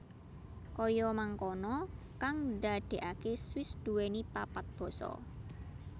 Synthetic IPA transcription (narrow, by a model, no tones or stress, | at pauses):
kɔjɔmaŋkɔnɔ | kaŋɖaɖ̪̥e̤ʔakeswɪsd̪̥ṳwenipapat̪̚b̥ɔ̤sɔ̰